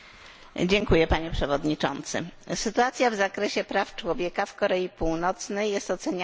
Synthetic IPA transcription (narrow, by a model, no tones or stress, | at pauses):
d͡ʑɛŋkujɛpaɲɛpʂɛvɔd̪ɲit͡ʂɔ̰nt̪sɘ̰sɘt̪uat̪sʲjavzakɾɛɕɛpɾaft͡ʂwɔvʲjɛkafkɔɾɛipuwnɔt̪snɛjːɛst̪ɔt̪sɛɲ